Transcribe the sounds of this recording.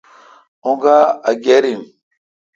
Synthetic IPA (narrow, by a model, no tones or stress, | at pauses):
uŋɡaaɡeɾin